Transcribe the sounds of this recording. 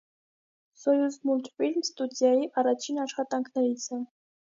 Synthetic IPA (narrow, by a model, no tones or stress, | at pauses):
sɔjuzmult̪filmst̪ud̪jɑjiʔɑrɑt͡ʃʰinɑʃχɑt̪ɑŋkʰnɛɾit͡sʰɛ